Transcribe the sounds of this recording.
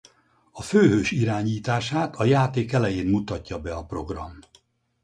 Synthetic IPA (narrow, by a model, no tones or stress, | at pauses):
ɒføːɦøːʃiɾaːɲiːt̪aːʃaːt̪ʰɒjaːt̪eːkɛlɛjeːnmut̪ɒcːɒbɛɒpro̞ɡrɒ̰m